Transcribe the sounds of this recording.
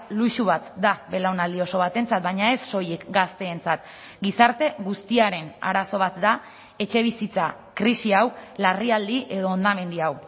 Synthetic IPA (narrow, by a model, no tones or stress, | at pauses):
luʃuβ̞at̪d̪abe̞lawnald̪io̞so̞βat̪e̞nt͡sat̪̚bajɲae̞sːo̞jekɡast̪e̞ːnt͡sat̪ | ɡisaɾt̪e̞ɣust̪iaɾe̞na̰ɾaso̞β̞at̪d̪a | e̞t͡ʃe̞β̞isit͡sa | kɾisiawlariald̪iʔe̞ð̞o̞ːnd̪ame̞nd̪iaw